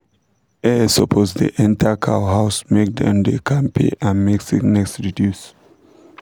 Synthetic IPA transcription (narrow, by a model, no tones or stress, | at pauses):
ɛsopʰozdḭʔɛ̃ntʰakʰa̰wɦaʊsmek̚dɛ̰̃nd̪ekʰãnpʰḛʔãnmɛksiknɛksɹidjus